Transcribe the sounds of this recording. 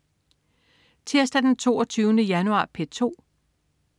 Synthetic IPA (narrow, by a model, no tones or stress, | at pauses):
t͡sʰeɐsd̥æd̥ent͡sʰo̝̰ːɒt͡sʰyːʊənəjænuɑ̰̈ːpʰet͡sʰo̝̰ː